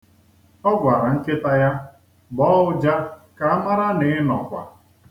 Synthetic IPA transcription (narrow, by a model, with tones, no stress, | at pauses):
ɔ˦ɡʷa˨ɾa˨ŋ̩˦kɪ˦ta˦ja˦ | bɔ˦ʊ˦d͡ʒa˦ka˨a˦ma˦ɾa˦nɪ˨˦nɔ̰˨kʷa̰˨